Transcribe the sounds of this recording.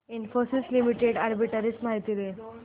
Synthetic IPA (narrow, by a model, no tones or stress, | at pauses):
infosislimiʈeɽaɾbiʈəɾismaɦit̪ile